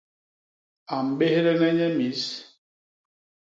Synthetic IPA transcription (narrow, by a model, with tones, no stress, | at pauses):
a˨m̩˨be˦he˦ɾɛ˦nɛ˦ɲɛ˦mi˨˦s